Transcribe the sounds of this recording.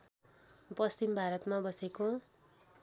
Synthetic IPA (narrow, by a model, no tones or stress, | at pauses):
pʌst͡ʃimbʱaɾʌt̪mabʌseko